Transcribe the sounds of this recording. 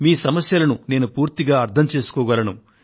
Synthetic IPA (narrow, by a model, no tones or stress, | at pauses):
miːsɐmɐsjɐlɐnune̞ːnupuːɾt̪iɡaːɐɾt̪ʰɐmt͡ʃe̞ːsu̥kɔːɡɐlɐnu